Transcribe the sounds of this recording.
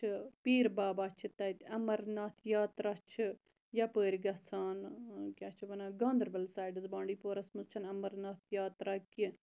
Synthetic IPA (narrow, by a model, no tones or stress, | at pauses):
t͡ʃʰpiːɾbaːbaːt͡ʃʰit̪ɐt̪ʲɐmɐɾnat̪ʰjaːt̪ɾat͡ʃʰɨ | jɐpəːɾʲiɡɐsaːnkʲaːt͡ʃʰibɐnaːɡãːnd̪ɐɾbɐlsaːjɖɨzbãːɳɖiːpoːɾɐsmɨzt͡ʃʰɐnɐmɐɾnɐt̪ʰjaːt̪ɾaki